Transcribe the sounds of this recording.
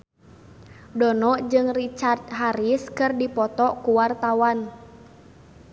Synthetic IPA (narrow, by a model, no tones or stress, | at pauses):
dɔnɔʔd͡ʒɨŋrit͡ʃart̪̚ɦaɾiskɨrdipɔt̪ɔkuwart̪awan